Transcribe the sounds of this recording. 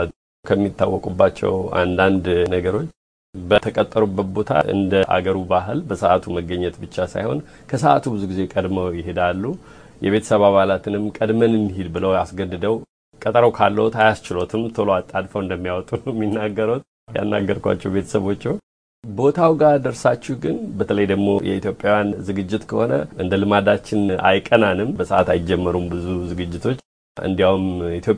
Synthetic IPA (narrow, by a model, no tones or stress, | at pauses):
kʰəmːit̪ːawːɔkʼubːat͡ʃːɛ̰wa̰nd̪and̪nəɡəɾo̞t͡ʃː | bət̪ʰəkʼət̪ʼːəɾubːət̪̚bo̞t̪ʰa̰ʔɨ̰nd̪əʔa̰ɡəɾubaɦɨlbəsəʔat̪ʰuməɡːəɲːɛt̪bɨt͡ʃːasa̰jho̞̰n | kʰəsəʔa̰t̪ʰubɨzuɡize̞kʼəd̪məwjɪɦed̪alːu | jɛβe̞t̪ʰə̥səβaβalat̪ʰɨnɨmkʼəd̪mənɨnːɦid̪bɨləwasɡəd̪ːɨd̪əw | kʼət̪ʼəɾəwkʰalːəwt̪ajast͡ʃɪlo̞t̪ʰɨmt̪ʰoloat̪ʼːad̪fəwɨnd̪əmːijawt̪ʼumːinːaɡːəɾut̪̚ | ja̰nːa̰ɡːəɾkʷʰa̰t͡ʃːɛwbe̞t̪ʰə̥səβo̞t͡ʃːɛw | bo̞t̪ʰawɡad̪əɾsat͡ʃːɛhɡɨnbət̪ʰələjd̪əɡmo̞̰jʔɛ̰it̪ʰjopʼjawjanzɨɡɨd͡ʒːɪt̪kʰəho̞nə̰ɨnd̪əlɨmad̪at͡ʃːɪna̰jkʼənanɨmbəsəʔat̪ajd͡ʒɛmːəɾumbɨzuzɨɡɨd͡ʒːɪt̪ʰo̞t͡ʃː | ɨ̰nd̪ijawumit̪jo̞pʼ